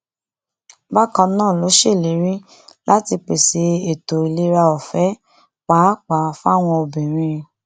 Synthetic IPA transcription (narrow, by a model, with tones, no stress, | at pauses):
ba˦kã˧nãː˦˨lo˨˦ʃe˦˨le˨˦ɾĩ˦ | la˦ti˧k͡pe˨se˨˦e˨to˨i˨le˨˦ɾa˧ɔ˨fɛ˨˦ | k͡pa˨˦k͡pa˨˦fa˦˨w̃ɔ̃˧o˧bɛ̃˨ɾ̃ĩ˧˦ɾĩ˧